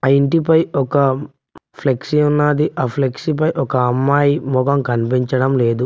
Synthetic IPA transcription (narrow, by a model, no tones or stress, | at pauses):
ɐiɳʈipɐjɔkɐ | pʰleksiunːaːd̪iʔaːpʰleksip̬ɐjʔɔkɐɐmːaːjimɔɡɐmkɐnipiɲt͡ʃɐɽɐmle̞ːd̪u